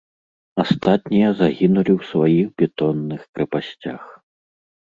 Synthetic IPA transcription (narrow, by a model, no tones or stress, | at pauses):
ast̪at̪̚nʲijɐzaɣʲinulʲiwsvajiɣbʲɛt̪ɔnːɨxkɾɛpasʲt͡sʲax